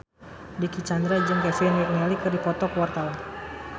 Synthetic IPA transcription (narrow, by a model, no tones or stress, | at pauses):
dikit͡ʃand̪ɾad͡ʒɨŋkafɛnjɛʔnɛlikɨrdipɔt̪ɔkəwart̪awan